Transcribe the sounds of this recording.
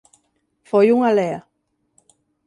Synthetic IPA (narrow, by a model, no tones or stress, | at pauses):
fojuŋalea